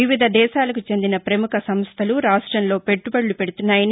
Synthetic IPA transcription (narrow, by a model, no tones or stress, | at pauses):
iʋid̪ʱɐd̪ɛːʃaːlɐkut͡ʃe̞nd̪inɐpɾɐmukɐsɐmst̪ʰɐluɾaːʂʈɾɐmlo̞ːpe̞ʈːubɐɽːupeɽut̪unːaːjɐn